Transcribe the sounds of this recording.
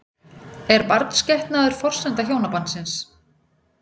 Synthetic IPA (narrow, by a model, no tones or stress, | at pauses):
ɛɾpaɾt̪n̥scɛht̪naðʏɾ̥fɔr̥sɛnt̪açjoːwnapant̪sɪns